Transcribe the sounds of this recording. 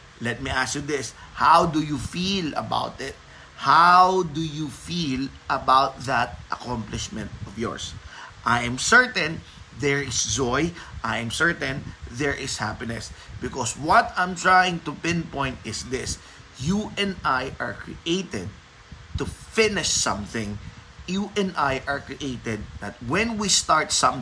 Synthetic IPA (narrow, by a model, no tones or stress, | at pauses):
lɛt̪̚miʔasud̪ɪshawd̪ujufilɐ̰ba̰wt̪ɪt̪̚ | hawd̪ujufilʔɐbawt̪̚ðɐt̪̚ʔɐkɔ̃mplɪʃmɛ̃nt̪̚ɔvjɔ̰ɹsʔajɛ̃msɛɹt̪ɛ̃n | ðɛɹɪsd͡ʒɔjʔajɛ̃msɛɹt̪ɛ̃nðɛɹʔɪshapɪnɛsbɪkɔswɔt̪ãjmt̪ɹajɪ̃ŋt̪ʊpɪ̃npɔ̃j̃nt̪ɪsðɪs | juʔɛ̃najʔaɹkɹḭʔeɪt̪ɛd̪̚ | t̪ufɪnɪʃsʌ̃mθɪ̃ŋjuʔɛ̃nd̪ajʔaɹkɹiʔeɪt̪ɛd̪̚ðɐt̪̚wɛ̃nwist̪aɹt̪sʌ̃m